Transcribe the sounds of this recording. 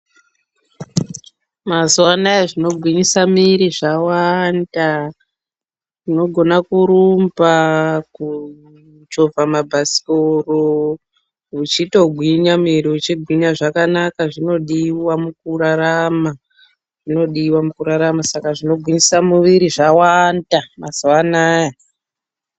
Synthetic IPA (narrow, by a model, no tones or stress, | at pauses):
mazuwanaeʐino̞ɡʱwiɲisamiɾiʐawanda | ʐino̞ɡʱo̞nakuɾumbaku | t͡ʃo̞vamabʱasi̥koro | ut͡ʃito̞ɡʱwiɲamiɾiut͡ʃiɡʱwiɲaʐakanakaʐino̞ɗiwamukuraɾama | ʐ̥ino̞ɗiwamukuɾaɾamasakaʐino̞ɡʱwiɲisamuʋiɾiʐawandamazuwanaːja